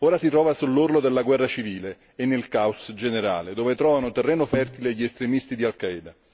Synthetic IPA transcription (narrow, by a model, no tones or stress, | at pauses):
oːɾasit̪ɾɔːvasulːurlod̪elːaɡwɛrːat͡ʃiviːleː | nːelkausd͡ʒeneɾa̰ːled̪oːvet̪ɾɔːvanot̪erːɛːnofɛrt̪ileʎːiest̪ɾemist̪id̪ialkaɛd̪a